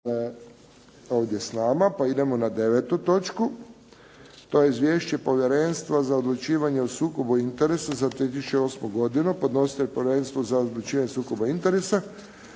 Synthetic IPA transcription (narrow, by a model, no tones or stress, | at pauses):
o̞ːʋd̪je̞snaːmapaid̪e̞mo̞nad̪e̞ʋet̪ut̪o̞t͡ʃku | t̪ojeizʋje̞ːʃt͡ɕe̞po̞ʋjeɾenst̪ʋazaod̪lˠut͡ʃiːʋaɲeosuːko̞buint̪eɾesazat̪ɾiet̪isut͡ʃeo̞ːsmoɡo̞d̪inupo̞d̪no̞si̥t̪eʎʲpoʋʲjeɾenst̪ʋozaod̪lˠut͡ʃiːʋaɲesuːko̞baint̪eɾesa